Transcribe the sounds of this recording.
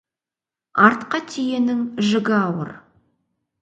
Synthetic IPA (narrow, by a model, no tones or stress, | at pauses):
ɑɾt̪qɑt̪ʰije̞nɪŋʒɪɡʲɪɑwə̰ɾ